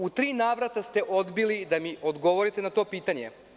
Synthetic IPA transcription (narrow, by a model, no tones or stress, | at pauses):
ut̪ɾiːnaːʋɾat̪ast̪e̞ʔo̞d̪bilid̪amiʔod̪ɡo̞ʋo̞ɾit̪enat̪o̞ːpiːt̪aɲḛ